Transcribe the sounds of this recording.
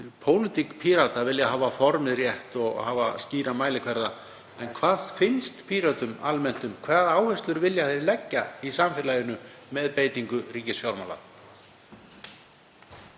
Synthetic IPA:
pʰoːwlɪt̪ikpʰiɾat̪avɪljaɦaːvafɔɾmɪðrjɛht̪ɔɣhaːva̰sciːɾamaːjlɪkʰvɛɾða | ɛnkʰvaːðfɪnst̪pʰiɾat̪ʏmalmɛn̥t̪ʏmkʰvaːðaːwhœst̪lʏɾvɪljaθejɾɪlɛcːaisamfɪɾlaːjʏnʏmɛðpeːjt̪iŋkʏriːcɪsfjawɾmaːla̰

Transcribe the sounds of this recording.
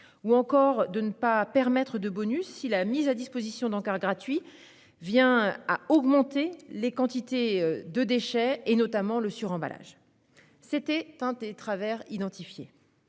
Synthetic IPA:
uɑ̃kɔʁd̪ənəpapɛʁmɛt̪χəd̪əbɔnysːilamizad̪ispozisjɔ̃d̪ɑ̃kaʁɡʁat̪ɥi | vjɛ̃aɔɡmɑ̃t̪elekɑ̃t̪it̪ed̪əd̪eʃɛenɔt̪amɑ̃ləsyʁɑ̃ba̰lʔa̰ʒ | set̪ɛt̪ɛ̃d̪et̪χavɛʁid̪ɑ̃t̪ifje

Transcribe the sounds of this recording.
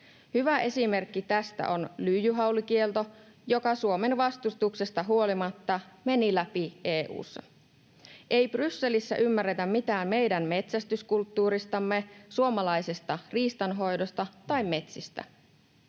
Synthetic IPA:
hyʋæʔe̞sime̞rkːit̪æst̪æ̰ʔo̞nlyːjyɦɑwlikie̞lt̪o̞jo̞kɑsuo̞me̞nʋɑst̪ust̪uksest̪ɑɦuo̞limɑt̪ːɑme̞nilæpiʔeːʔṵːsːɑ̰ | ʔe̞jb̥rysːe̞lisːæ̰ʔymːæret̪æmmit̪æːmme̞jdæmme̞t̪sæst̪yskult̪ːuːɾist̪ɑmːe̞suo̞mɑlɑjsest̪ɑriːst̪ɑnɦo̞jdo̞st̪ɑt̪ɑjmme̞t̪sist̪æ̰

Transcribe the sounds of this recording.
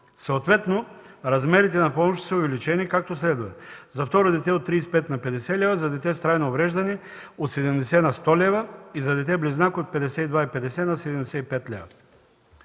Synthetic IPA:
sɛot̪vɛt̪noɾazmɛɾit̪ɛnapɔmoʃi̥sɛovɛlʲit͡ʃɛnikak̚t̪oslɛd̪uvɛt̪zaft̪ɔɾod̪ɛt̪ɛot̪ːɾispɛt̪napɛd̪ɛsɛlʲɛvazad̪ɛt̪ɛst̪ɾajnoovɾɛʒd̪ani | ot̪sɛd̪ɛmd̪ɛsɛnast̪ɔlʲɛvaizad̪ɛt̪̬ɛbliznakot̪̚pɛd̪ɛsɛt̪id̪vaipɛd̪ɛsɛnasɛd̪ɛmd̪ɛsɛipɛt̪lʲɛ̰va̰

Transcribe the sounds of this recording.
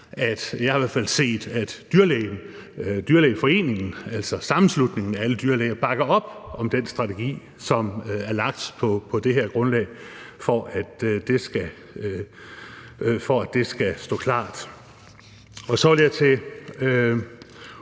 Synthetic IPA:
ʔæd̥jɑ̈hiʋæɐ̥fæl̰se̝̰ːd̥æd̥d̥yɐlɛɪn | d̥yɐlɛ̰ɪfɒ̽e̝̰ːne̝ŋn̩æl̰sɒsɑ̈mn̩slud̥ne̝ŋn̩ææləd̥yɐlɛːɪɐb̥ɑ̈ɡ̥ɐɒ̽b̥ʔɒ̽md̥ensd̥ʁɑ̈t͡sʰe̝ɡ̥ḭː | sɒ̽mæɐlɑ̈ɡ̥̚d̥pʰɒ̽pʰɒ̽d̥e̝ɦeɐ̰ɡ̥ʁɔ̽nlɛ̰ɪfɒʔæd̥d̥e̝sɡ̥æ | fɒæd̥e̝sɡ̥æsd̥ɔ̰̽ːkʰlɑ̰̈ːd̥ | ɒ̽sɒ̽ʋæljɑɪt͡sʰe̝

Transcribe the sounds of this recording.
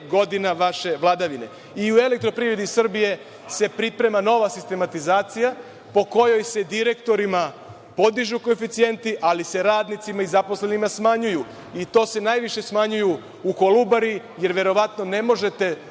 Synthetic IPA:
ɡo̞d̪inaʋaʃe̞ʋlˠad̪aʋine̞ | iue̞lek̚t̪ɾo̞pɾiɾed̪isr̩bije̞ | se̞pɾipɾe̞mano̞ʋasist̪e̞mat̪izaːt̪sija | po̞ko̞jo̞jse̞d̪iɾe̞kt̪o̞ɾima | po̞d̪iʒuko̞efit̪sije̞nt̪iʔalise̞ɾaːd̪nit̪simaizapo̞slenimasmaɲuju | it̪o̞ːse̞najʋiʃe̞smaɲuju | ukolubaɾi | je̞ɾʋe̞ɾo̞ʋat̪no̞ne̞mo̞ʒe̞t̪e̞

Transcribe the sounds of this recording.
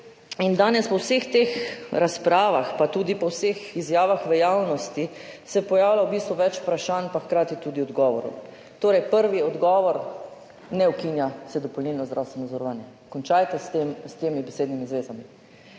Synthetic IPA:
ind̪aːnɛspɔwsext̪eːxɾaspɾaːʋaxpat̪uːd̪ipɔwseːxizjaːʋaxʋɛjaːwnɔst̪isɛpɔjaːwlawbiːst̪ʋuʋɛt͡ʃpɾaʃaːnpaxkɾaːt̪it̪uːd̪iɔd̪ɡɔːʋɔɾṵ | t̪oːɾɛjpəɾʋiɔd̪ɡɔːʋɔɾ | nɛwkinjasɛd̪ɔpɔlniːlnɔzd̪ɾawst̪ʋɛnɔzɔɾɔʋaːnjɛ | kɔnt͡ʃajt̪ɛst̪emst̪eːmibɛseːd̪nimizʋeːzami

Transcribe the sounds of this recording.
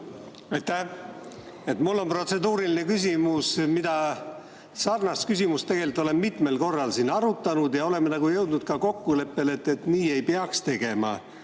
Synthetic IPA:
ɑjt̪ːæh | e̞t̪mulːo̞npro̞t̪se̞d̪uːɾiline̞kys̬ʲimusmid̪̥ɑ | sɑrnɑskys̬ʲimust̪e̞ɡ̥e̞lit̪ˑːo̞lemːit̪ˑme̞lko̞rːɑlsinɑɾut̪ːˑɑnud̪jɑo̞le̞mːenɑɡujɤwd̪̥nud̪̥kɑko̞kːule̞pːe̞le̞t̪ːˑe̞t̪niːe̞jpeɑkst̪e̞ɡ̥e̞mɑ̰

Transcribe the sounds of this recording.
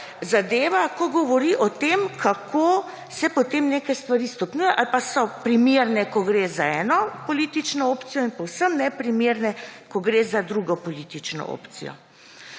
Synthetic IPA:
zad̪eːʋakɔɡɔʋɔɾiʔɔt̪emkʰakʰo | sɛpɔt̪emneːkajst̪ʋaɾist̪ɔpnujɛʔalpasɔpɾimeɾnɛkɔɡɾeːzaɛːnɔpɔlit̪it͡ʃnɔoːpt̪sijɔinpɔwsəmnɛpɾimeːɾnɛkɔɡɾeːzad̪ɾuɡɔpɔlit̪it͡ʃnɔ̰ʔo̰ːpt̪sḭjɔ̰

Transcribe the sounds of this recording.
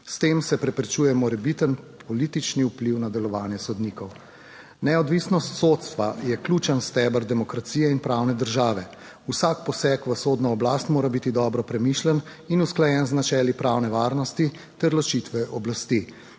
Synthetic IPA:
st̪eːmsɛpɾɛpɾɛt͡ʃuːjɛmɔɾɛbit̪ənpʰɔliːt̪it͡ʃniupliwnad̪ɛlɔʋaːnjɛsɔd̪nikɔw | nɛɔd̪ʋisnɔst̪soːt̪st̪ʋajɛklʲuːt͡ʃənst̪ɛbəɾd̪ɛmɔkɾat̪sijɛinpɾaːwnɛd̪əɾʒaːʋɛ | usakpɔsɛkʋəsoːd̪nɔɔblaːst̪moːɾabit̪id̪ɔbɾɔpɾɛmiːʃlən | inusklajɛnznat͡ʃɛːlipɾawnɛʋaːɾnɔst̪i | t̪ɛɾlɔt͡ʃit̪ʋɛʔɔblast̪i

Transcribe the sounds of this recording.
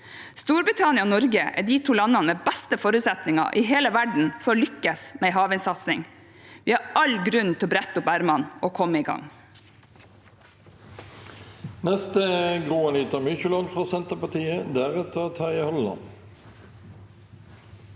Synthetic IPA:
st̪uːɾbɪt̪ʰɑnɪɑonɔɾɡəʔæ̰ːɖiːt̪ʰuːlɑnːɑnəmeːbæst̪əfɔɾʉt̪sɛt̪nɪŋɑ̰ʔiːɦeːləʋæɖɳ̩fɔɾolʏkːəsmeɪɦɑːʋɪnsɑt̪sɪ̰ŋ | ʋiːɑɾʔɑlɡɾʉnt̪ɪlɔbɾæt̪ːʊpæɾmɑnʔoːkʰɔmːəiːɡɑ̰ŋ | nɛst̪əɡʁuːɑniːt̪ʰɑmyçəlɑnfʁɑːsɛnt̪əpɑt̪ʰiːəd̪æʁɛt̪ʰːəot̪ʰɑəhɔlːɑ̰n

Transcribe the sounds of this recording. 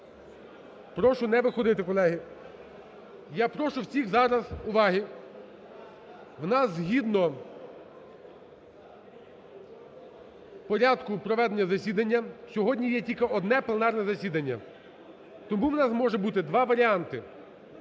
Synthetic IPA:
pɾɔʃʊnɛʋɪxɔd̪ɪt̪ɪkɔlˠɛɦi | jɑpɾɔʃʊwsʲixzɑɾɐzʊʋɑɦi | ʋnɑszʲɦʲid̪nɔ | pɔɾʲɑd̪kʊpɾɔʋɛd̪enʲːɐzɐsʲid̪ɐnʲːɐsʲɔɦɔdʲnʲijɛtʲilʲkɐʔɔd̪nɛplˠenɑrnɛzɐsʲid̪ɐnʲːɐ̰ | t̪ɔmuʋnɑsmɔʒɛbut̪ɪd̪ʋɑʋɐɾʲiɑnt̪ɪ

